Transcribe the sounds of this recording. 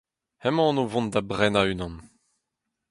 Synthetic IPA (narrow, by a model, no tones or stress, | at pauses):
hɛmɑ̃novɔ̃nd̪abʁɛnaynɑ̃n